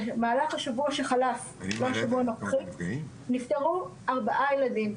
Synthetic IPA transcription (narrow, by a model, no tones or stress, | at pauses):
maːlaχhaʃavuaʃeχalaf | voaʃavuanokχi | niftaʁu | aʁbaʔajeladim